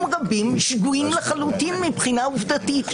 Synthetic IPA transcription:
mʁabimʃɡuimleχalutinmipχinauvd̪atit

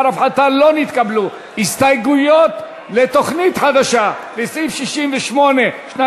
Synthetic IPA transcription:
ɾafħat̪alo̞nit̪kablu | ist̪ajɡujo̞t̪ | let̪o̞χnit̪ħad̪aʃalesifʃiʃimveʃmo̞ne̞ʃna

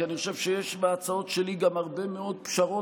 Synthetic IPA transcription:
aniχoʃe̞vʃejeʃbeat͡sao̞t̪ʃeliɡamaʁbe̞meo̞d̪̚pʃaʁo̞

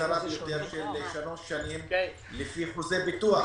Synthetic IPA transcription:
aɾabejjot̪eɾʃelːeʃalot̪ʃanim | lifiχuzebit̪ua

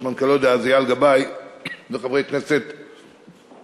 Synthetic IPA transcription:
mankalod̪aazijalɡabajmeχabʁejkneset̪

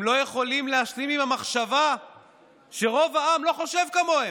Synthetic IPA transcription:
mlo̞je̞χo̞limleaʃlimimamaχʃava | ʃe̞ʁo̞vaamlo̞χo̞ʃe̞vkamo̞e

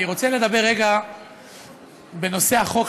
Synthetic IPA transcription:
iʁo̞t͡sale̞d̪abe̞ʁːeɡa | be̞no̞se̞aχo̞k

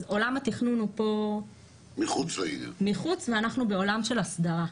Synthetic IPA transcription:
zo̞lamat̪iχnunupo̞ | miχut͡slaḭna̰miχut͡sveanaχnube̞o̞lamʃe̞lasdaʁa

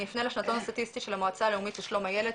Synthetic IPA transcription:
lifneleʃnat̪o̞nast̪at̪ist̪iʃelamaat͡saːleumit̪jeʃlo̞majele

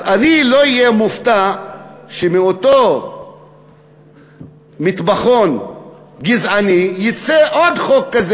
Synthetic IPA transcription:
zaniloijemuft̪a | ʃemiot̪o | mit̪baχon | ɡizʕanijit͡seʔod̪χokːaze

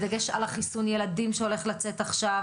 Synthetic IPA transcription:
d̪aɡeʃa̰laχisunje̞ladimʃeo̞le̞χlat͡se̞t̪aχʃa

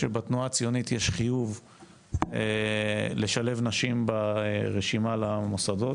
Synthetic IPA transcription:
ebat̪nuaːt͡sijo̞nitjeʃχijuv | eleʃale̞vnaʃimbaʁeʃimalamosado

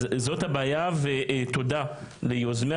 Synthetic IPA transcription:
zo̞thabaːjaveʔto̞da | lejozme

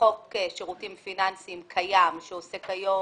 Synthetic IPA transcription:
okeʃeʁutimfinansimkʰajamʃeosekajo

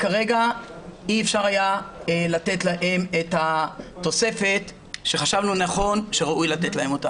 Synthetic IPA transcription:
kaʁe̞ɡaiefʃaʁajaelate̞t̪laʔe̞met̪hat̪o̞se̞fe̞t̪ | ʃe̞χaʃavnunaχo̞nʃe̞ʁaʔujlat̪etlahe̞mo̞t̪a

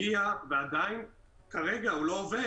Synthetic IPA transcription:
iavead̪ain | kaʁeɡaulo̞ːve

